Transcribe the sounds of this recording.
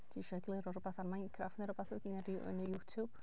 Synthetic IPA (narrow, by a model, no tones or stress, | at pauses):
d̥ʰiʃɔɡlˠɨɾɔɾɔbaθarmajnkʰrafnəɾɔbaθʊdnɾʔə̰nəjutʰub̥